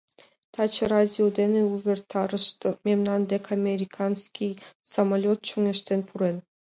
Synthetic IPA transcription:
t̪ʰɑt͡ɕəradʲiod̪ʲenĕuvʲerʲt̪ʰɑrəʂt̪mʲemnɑnd̪ʲekʰamʲeɾʲikʰansʲkʲijsamalʲot̪̚t͡ɕuŋʲĕʃt̪enpʰuɾen

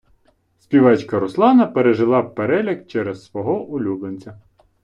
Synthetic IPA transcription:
sʲpʲiʋɑt͡ʃkɐɾʊslˠɑnɐpeɾeʒɪlˠɑpeɾɛlʲɐkt͡ʃɛɾɛssʋɔɦɔʔʊlʲublˠenʲt͡sʲɐ

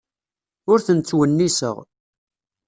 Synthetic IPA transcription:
ʊɾθənt͡sːwənːisə̰ʁ

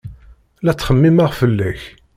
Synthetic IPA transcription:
læt͡sːχəmːimaʁfəlːæç

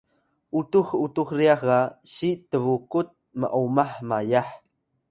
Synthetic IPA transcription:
ʔutuxutuxriaxaɕitəvukut̪̚mə̰ʔumaħmajaħ

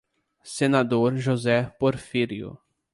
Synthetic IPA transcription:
senad̪oɾʒozɛpoɾfiɾiʊ̰

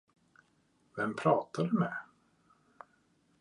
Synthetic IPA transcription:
vɛmpʰɾɑːt̪aɖɵmɛ

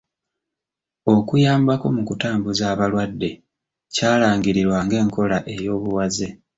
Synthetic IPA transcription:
o̞kujaːmbako̞mukutaːmbuzaːβalwadːe̞ | caːlaːŋɡiɾiɾwaŋɡe̞ːŋkʰo̞laʔe̞jo̞ːβuwaze̞

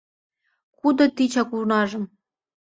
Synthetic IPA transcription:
kud̪ɤ̆t̪it͡ɕɑkurnɑʒɤ̆m

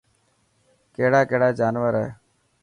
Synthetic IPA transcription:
keːɽaːkeɦɽaːd͡ʒaːnʋəɾɛ

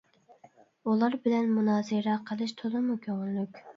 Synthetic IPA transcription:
ulˠɑɾbɪlɛnmunɑːzɨɾɛqʰəlˠɨʃt̪ʰod̪ɨmukʲʰøŋɪlːykʲ

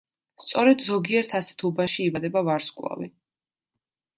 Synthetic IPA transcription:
st̪sʼɔɾɛd̪zɔɡiɛɾt̪ʰasɛ̥t̪ʰubaʃiːbad̪ɛbavaɾskʼwlˠa̰vḭ

